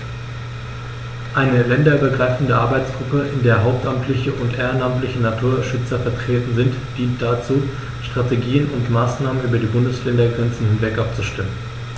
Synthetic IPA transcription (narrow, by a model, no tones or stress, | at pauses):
ʔaɪnəlɛndɐyːbɐɡʁaɪfn̩dəʔaɐbaɪt͡sɡ̥ʁʊpəʔɪndeːɐɦaʊp̚tʔamtʰlɪçəʔʊntʔeːɐɪnamtlɪçənatʰuːɐʃʏt͡sɐfɛɐtʁ̥eːtn̩zɪntd̥iːnt̚d̥at͡suː | ʃtʁ̥ateɡiːənʊntmaːsnaːmənʔyːbɐdiːbʊndəslɛndɐɡʁɛnt͡sn̩hɪnvɛkʔapt͡suʃtɪmən